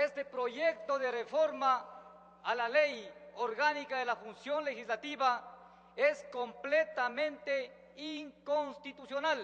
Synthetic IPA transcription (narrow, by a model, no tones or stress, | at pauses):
est̪epɾoʝek̚t̪oðerefoɾmaː | lalejoɾɣanikaðelafunsjonlexislat̪iβa | eskomplet̪amẽnt̪e | iŋkonst̪it̪usjonal